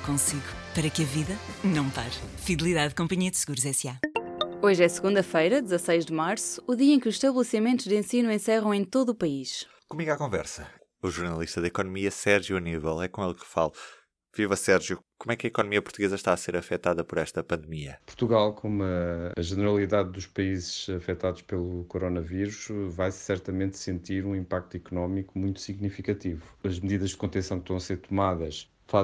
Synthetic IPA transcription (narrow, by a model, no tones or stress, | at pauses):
kõsiɣu | pɐɾɐkɐviðɐnɐ̃w̃pa̰ɾfiðlˠiðaðkõmpɐɲiɐd̪sɨɣuɾuzɛsjaoʒɛsɨɣũnd̪ɐfɐjɾɐd̪zɐsɐjʒd̪ɨmaɾsu̥ːðiɐẽkuzʃt̪ɐβlˠɨsimẽnt̪uʒd̪ẽsinuẽsɛʁɐ̃w̃ẽj̃t̪oðuːpɐiʃ | kumiɣakõvɛɾsɐ | uʒuɾnɐlˠiʃt̪ɐðɐikɔnumiɐsɛɾʒjuɐnivɛlˠɛkõelˠkɨ̥fa̰lˠ | vivɐsɛɾʒjukomwɛkɐikɔnumiɐpuɾt̪uɣezɐʃt̪aɐseɾɐfɛt̪aðɐpɔɾɛʃt̪ɐpɐ̃nd̪̚miɐpuɾt̪uɣalˠkʰomuɐɐʒɨnɨɾɐlˠiðaðd̪uʃpɐizʃɐfɛt̪aðuʃpelˠukuɾonɐviɾuʃvajsɛɾt̪ɐmẽnt̪sẽnt̪iɾũĩmpak̚t̪uikunɔmikumũj̃t̪u̥siɣnifikɐt̪ivuɐʒmðiðɐʒd̪kõnt̪ẽsɐ̃w̃kʃt̪ɐ̃w̃ɐseɾt̪umaðɐʃ | fa